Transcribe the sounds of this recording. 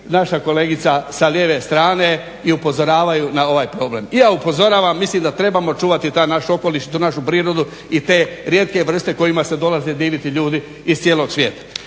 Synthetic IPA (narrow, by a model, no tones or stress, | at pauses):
naʃako̞le̞ːɡit̪sasalje̞ːʋe̞st̪ɾaːne̞ | iupo̞zo̞ɾaːʋajunao̞ʋaːjpɾo̞ːble̞̰mijaːupo̞zo̞ɾaːʋamːislimd̪at̪ɾe̞bamot͡ʃuːʋat̪it̪aːnaʃuo̞ko̞liʃit̪unaʃupɾiːɾo̞d̪u | it̪e̞ːɾje̞t̪̚ke̞ʋr̩st̪eko̞jimase̞d̪o̞laze̞d̪iːʋit̪iʎuːd̪iː | zst̪sjeːlo̞ɡsʋje̞ːt̪ḁ